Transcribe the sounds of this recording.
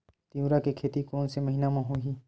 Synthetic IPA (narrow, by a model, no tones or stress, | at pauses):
t̪ijũːɾakekʰeːt̪ikoːnseməɦiːnamãɦoiː